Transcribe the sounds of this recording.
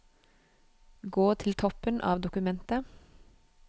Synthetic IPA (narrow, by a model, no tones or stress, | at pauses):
ɡoːt̪ʰɪlt̪ʰɔpənʔɑ̰ːʋd̪ʊkʉmɛnt̪ə